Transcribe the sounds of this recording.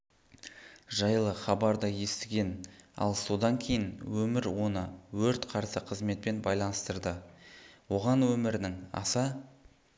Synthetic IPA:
ʒɑjlˠəχɑbɑɾd̪ɑje̞st̪ɪɡʲe̞nɑ̰lˠso̞d̪ɑŋkʲʰe̞jɪnwɵmɪɾwo̞nəwɵɾt̪qʰɑɾsəqʰəzme̞t̪̚pe̞nbɑjlˠɑnəst̪əɾd̪ə | wo̞ʁɑnwɵmɪɾɪnɪŋɑ̰sə

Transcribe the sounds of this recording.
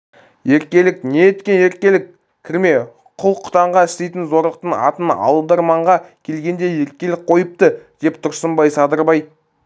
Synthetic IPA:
je̞ɾkʲe̞lɪkneːt̪kʲe̞ne̞ɾ̚kʲe̞lɪkʲʰ | ɪɾme̞ | qʰʊlˠqʰʊ̥t̪ɑɴʁɑɪʃt̪e̞jt̪ɪnzo̞ɾlˠəq̚t̪əɴɑ̰t̪ənɑ̰lˠəbd̪ɑɾmɑɴʁɑkʲʰe̞lɡʲe̞nd̪e̞je̞ɾ̚kʲe̞lɪk̚qʰo̞jəp̚t̪əd̪̥e̞pt̪ʰʊɾsəmbɑjsɑd̪əɾbɑj

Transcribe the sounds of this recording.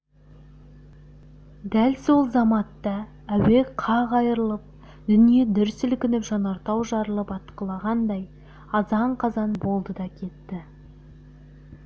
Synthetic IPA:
d̪ælso̞lˠzɑmɑt̪ːɑ | æwe̞qʰɑʁɑjəɾəlˠəp̚ | d̪ʏnije̞d̪ʏɾsɪlkʲɪnɪpʒɑnɑɾt̪ɑwʒɑɾəlˠəpɑt̪qəlˠɑʁɑnd̪ɑj | ɑzɑɴqʰɑzɑnbo̞lˠd̪əd̪ɑkʲʰe̞t̪ːɪ

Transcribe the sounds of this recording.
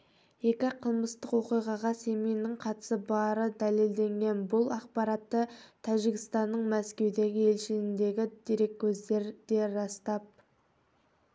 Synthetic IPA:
je̞kʲɪqʰəlˠməst̪əqwo̞qijʁɑʁɑse̞mijnɪɴqʰɑt̪ə̥səbɑɾəd̪æle̞ld̪e̞ŋɡʲe̞nbʊlˠɑq̚pɑɾɑt̪ːəɑʒiɡʲɪst̪ɑnːəɴmæskʲe̞wd̪e̞ɡʲɪe̞lʃɪnɪnd̪e̞ɡʲɪd̪̥iɾe̞kʰʲːɵzd̪e̞ɾd̪̥e̞ɾɑst̪ɑp̚

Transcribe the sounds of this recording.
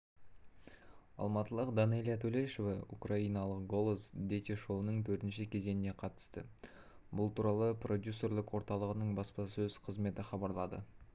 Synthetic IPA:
ɑ̰lˠmɑt̪əlˠəqd̪ɑnelʲjat̪ʰɵleʃovɑukrɑijnɑlˠəqɡo̞lˠozd̪ʲet̪eʃo̞wnəɴt̪ʰɵɾt̪ɪnʃɪkʲʰe̞ze̞nɪne̞qʰɑt̪ə̥st̪ə | bʊlˠt̪ʰuɾɑlˠəprʔo̞d̪ʲjusːo̞rlɪkwo̞ɾt̪ɑlˠəʁənəɴbɑspɑsɵz̥qʰəzme̞t̪ɪχɑbɑɾlˠɑd̪ə̰

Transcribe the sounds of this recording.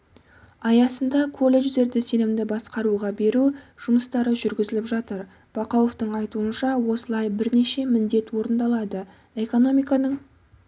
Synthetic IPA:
ɑjɑsənd̪ɑkʰo̞lʲˠːe̞ʒd̪e̞ɾd̪ɪse̞nɪmd̪ɪbɑsqɑɾuʁɑbe̞ɾuʒ̥ʊməst̪ɑɾəʒʏɾɡʲɪzɪlɪpʒɑt̪əɾ | b̥ɑqowoft̪əɴɑjt̪uənʃɑwo̞səlˠɑjbɪɾne̞ʃe̞mɪnd̪e̞t̪wo̞ɾənd̪ɑlˠɑd̪ə | e̞ko̞no̞mijkɑnəɴ

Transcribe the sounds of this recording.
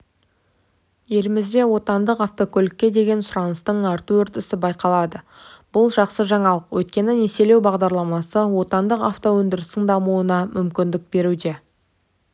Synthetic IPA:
je̞lɪmɪzd̪e̞wo̞t̪ɑnd̪əqaft̪o̞kʰʲɵlɪkʲːe̞d̪e̞ɡʲe̞nsʊɾɑnəst̪əɴɑɾt̪əwɵɾt̪ɪsɪbɑjqɑlˠɑd̪ə | b̥ʊlˠʒɑqsəʒɑɴɑlˠəqwʔɵjt̪̚kʲe̞nɪne̞se̞le̞wbɑʁd̪ɑɾlˠɑmɑsəwo̞t̪ɑnd̪əqaft̪o̞wɵnd̪ɪɾɪst̪ɪŋd̪ɑmuwənɑmʏmkʲɪnd̪ɪk̚be̞ɾud̪e̞

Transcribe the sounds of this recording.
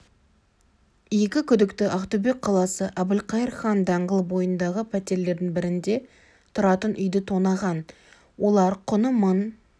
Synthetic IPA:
je̞kʲɪkʲʰʏd̪ɪkt̪ɪʔɑqt̪ube̞k̚ʲqʰɑlˠɑsəʔæbɪlqʰɑjəɾχɑnd̪ɑɴʁəlˠbo̞jənd̪ɑʁəpʰæt̪e̞ɾle̞ɾd̪ɪŋbɪɾɪnd̪e̞ | t̪ʰʊɾɑt̪ənʔʏjd̪ɪt̪ʰonɑʁɑn | wo̞lˠɑɾqʰʊnəmən

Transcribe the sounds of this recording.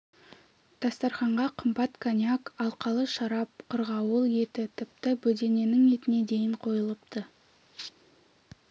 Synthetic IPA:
d̪̥ɑst̪ɑɾχɑɴʁɑqʰəmbɑt̪kʰanʲiakɑlˠqɑlˠəʃɑɾɑp̚qʰəɾʁɑwəlˠje̞t̪ɪt̪ʰɪp̚t̪ɪbɵd̪e̞ne̞nɪŋe̞t̪ɪne̞d̪e̞jɪɴqʰo̞jəlˠəpt̪ə

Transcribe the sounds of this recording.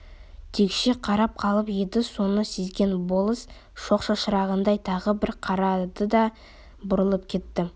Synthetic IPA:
t̪ʰekʃeqʰɑɾɑp̚qʰɑlˠəpjed̪ɪso̞nəse̞zɡʲe̞nbo̞lˠəs | ʃo̞qʃɑʃəɾɑʁənd̪ɑjt̪ʰɑʁəbɪɾqʰɑɾɑd̪əd̪ɑ | bʊɾəlˠəpkʲʰe̞t̪ːɪ

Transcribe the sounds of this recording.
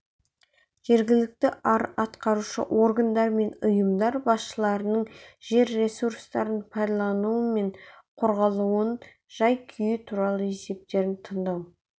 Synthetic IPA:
ʒ̥e̞ɾɡʲɪlɪk̚t̪ɪʔɑɾɑt̪qɑɾuʃə̰ʔo̞ɾɡand̪ɑɾme̞nʊjəmd̪ɑɾbɑsʃəlˠɑɾənəɴʒe̞ɾːe̞suɾst̪ɑɾənpʰɑjd̪ɑlˠɑnuəme̞ɴ | qʰoɾʁɑlˠuən | ʒ̥ɑjkʲʰʏjɪt̪ʰuɾɑlˠəe̞se̞p̚t̪e̞ɾɪnt̪ʰənd̪ɑw

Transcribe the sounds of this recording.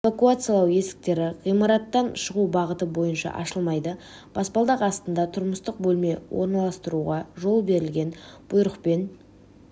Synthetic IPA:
vakuat̪sɨjalˠɑwje̞sɪ̥k̚t̪e̞ɾɪʁijmɑɾɑt̪ːɑnʃəʁubɑʁət̪əbo̞jənʃɑ̰ʔɑ̰ʃəlˠmɑjd̪ə | b̥ɑspɑlˠd̪ɑqɑst̪ənd̪ɑt̪ʰʊɾməst̪əq̚bɵlme̞wʔo̞̰ɾnɑlˠɑst̪əɾuʁɑʒo̞lˠbe̞ɾɪlɡʲe̞nb̥ʊjɾəqpe̞n

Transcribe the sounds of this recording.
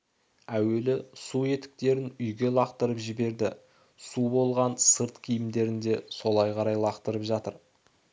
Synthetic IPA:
æwe̞lɪsue̞t̪ɪ̥k̚t̪e̞ɾɪnʏjɡʲe̞lˠɑqt̪əɾəpʒɪbe̞ɾd̪ɪ | subo̞lˠʁɑnsəɾt̪kʲʰijɪmd̪e̞ɾɪnd̪e̞so̞lˠɑjqʰɑɾɑjlˠɑqt̪əɾəpʒɑt̪əɾ

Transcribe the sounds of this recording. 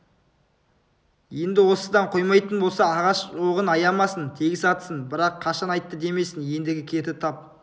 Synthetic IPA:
je̞nd̪ɪwo̞səd̪ɑɴqʰo̞jmɑjt̪ənbo̞lˠsɑːʁɑʃʒoʁənɑjɑmɑsənt̪ʰeɡʲɪsɑt̪ə̥sənbɪɾɑqʰːɑʃɑnɑjt̪ːəd̪e̞me̞sɪnje̞nd̪ɪɡʲɪkʲʰe̞t̪ɪt̪ʰɑp̚

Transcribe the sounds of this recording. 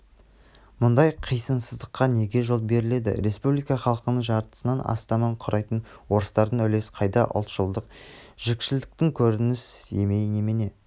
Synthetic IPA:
mʊnd̪ɑjqʰijsənsəzd̪əqːɑne̞ɡʲe̞ʒolˠbe̞ɾɪle̞d̪ɪ̰ɾe̞spublijkɑχɑlˠqənəɴʒɑɾt̪ə̥sənɑnɑ̰st̪ɑmɑɴqʰʊɾɑjt̪ənwo̞ɾəst̪ɑɾənɵle̞sqʰɑjd̪ɑ̰ʔʊ̰lˠt̪ʒʊlˠd̪əq̚ʒ̥ekʃɪld̪ɪk̚t̪ɪŋkʲʰɵɾɪnɪse̞me̞jnemene̞

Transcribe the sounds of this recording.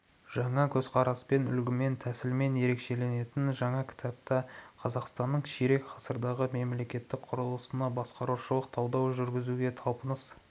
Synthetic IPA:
ʒ̥ɑɴɑkʲʰɵzqʰɑɾɑspe̞nʏlɡʲɪme̞nt̪ʰæsɪlme̞nje̞ɾe̞kʃe̞le̞ne̞t̪ɪnʒɑɴɑkʲʰɪ̥t̪ʰɑp̚t̪ɑqʰɑzɑqst̪ɑnːəɴʃeɾe̞kqʰɑsəɾd̪ɑʁəme̞mle̞kʲe̞t̪ːɪk̚qʰʊɾəlˠəsənɑbɑsqɑɾuʃəlˠəqt̪ʰɑwd̪ɑwʒʏɾɡʲɪzuɡʲe̞t̪ʰɑlˠpənəs

